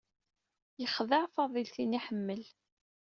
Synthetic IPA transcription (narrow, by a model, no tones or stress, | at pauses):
jəχðəʕfɑðˤilθiniħəmːəl